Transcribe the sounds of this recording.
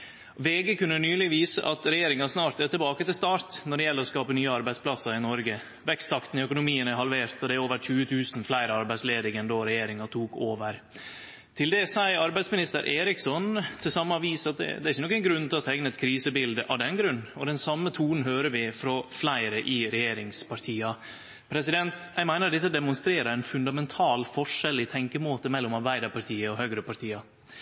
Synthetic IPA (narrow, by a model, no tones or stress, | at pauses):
ʋeːɡəkʉnːənyːlɪʋiːsə̰ʔɑt̪ɾɛjeːɾɪŋɑsnɑːɾt̪æt̪ɪlbɑːkət̪ɪlst̪ɑːɾt̪nɔɖɛjɛlːəɾɔskɑːpənyːəɑɾbæɪspʰlɑsːɑɾɪnɔɾɡə | ʋɛkst̪ʰːɑkt̪ən̩ɪœkʊnʊmiːənæɦɑlʋeːɾt̪ɔd̪ɛæɾoːʋəɾçʉːət̪ʰʉːsn̩flæɪɾəɑɾbæɪsleːd̪ɪŋɛnd̪ɔɾɛjeːɾɪŋɑt̪ʰuːkʰoːʋəɾ | t̪ʰɪld̪ɛsæɪɑɾbæɪd̪smɪnɪst̪əɾʔeːɾɪksɔnt̪ʰɪlsɑmːɑʋiːsɑt̪̚d̪ɛ̰d̪ɛæɾɪçənɔkːæɪnɡɾʉnːt̪ɪlɔt̪ʰɛɡnəɛt̪kʰɾiːsəbɪld̪əʔɑʋd̪ɛnɡɾʉnːɔd̪ɛnsɑmːət̪ʰuːnn̩ɦøːɾəʋɪfɾɔflæɪɾəʔɪɾɛjeːɾɪŋspɑɾt̪ʰiːɑ | pʰɾɛsɪd̪ɛnt̪jæɪmæɪnəɾɖɛt̪ːəd̪ɛmʊnst̪ɾeːɾəɾæɪnfʉnd̪ɑmɛnt̪ʰɑːlfɔʂɛlːɪt̪ʰɛŋkəmoːt̪əmɛlːɔmɑɾbæɪd̪əɾpɑɾt̪ʰiːəɔhøɡɾəpɑʈt̪ʰiːɑ